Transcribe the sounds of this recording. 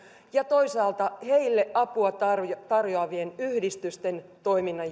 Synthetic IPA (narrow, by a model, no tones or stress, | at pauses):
jɑt̪o̞isɑːlt̪ɑhe̞ilːeʔɑpuɑt̪ɑrt̪ɑrjoɑʋienyhdist̪yst̪e̞nt̪o̞iminːɑ